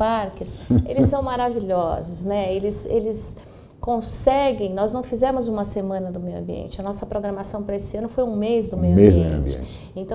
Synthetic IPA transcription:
paɾkɪselɪssːɐ̃w̃maɾaviʎɔzʊsnɛelɪsḛlɪs | kõsɛɡẽj̃nɔznɐ̃w̃fizɛmʊzũmɐsemɐ̃nɐd̪ʊmejwɐ̃mbiḛ̃nt͡ʃɪɐnɔsɐpɾoɡɾɐmasɐ̃w̃pɾɐesɪɐ̃nʊfojũmezd̪ʊmewmezɐ̰̃bit͡ʃḛ̃t͡ʃ | ẽt̪ɐ̃

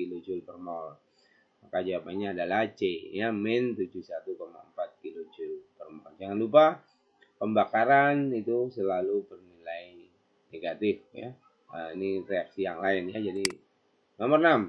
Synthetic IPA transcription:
kilod͡ʒʊlpərmɔll | makad͡ʒuwapaɲaːdalat͡ʃejamɛnt̪ud͡ʒuhsat̪ukoma̰əmpat̪̚kilod͡ʒʊlpərmɔld͡ʒaŋanlupa | pəmbakaɾanit̪usəlalubərnilaj | neɡat̪ɪfja̰ | əinireaksijaŋlaɪnjad͡ʒadi | nomərnam

